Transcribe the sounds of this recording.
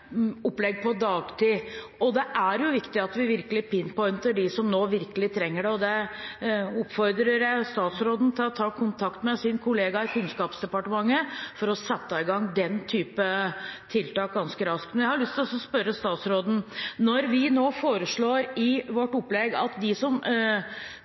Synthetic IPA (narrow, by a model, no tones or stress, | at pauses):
ɔplɛɡ̚pʰɔd̪ɑːɡt̪ʰiː | ɔd̪ɛʔæɾjʊʋɪkt̪ɪɑt̪ʋɪʋɪɾkəlɪpɪnpʰɔʏnt̪əɖɪsɔmnoːʋɪɾkəlɪt̪ʰɾɛŋːəɖɛɔd̪ɛ | ɔpfɔɾd̪ɾəɾjæɪst̪ɑːt̪sɾoːd̪n̩t̪ʰɪlɔt̪ʰɑːkʰʊnt̪ʰɑkt̪mɛsɪnkʰʊleːɡɑɪkʰʉnskɑːpsd̪ɛpɑʈəmɑŋːəfɔɾɔsɛt̪ːəɪɡɑŋd̪ɛnt̪ʰyːpət̪ʰɪlt̪ɑːk̚ɡɑnskəɾɑsktmɛnjæhɑɾɭʏst̪ʰɪlɔsɔspœɾəst̪ɑːt̪sɾoːd̪n̩nɔɾʋɪnoːfoːɾəʂɭoːɾɪʋɔʈːʊpːlɛɡɑ̰t̪d̪ɪsɔm